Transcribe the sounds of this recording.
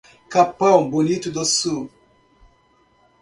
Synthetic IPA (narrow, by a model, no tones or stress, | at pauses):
kapaw̃bonit̪ud̪osu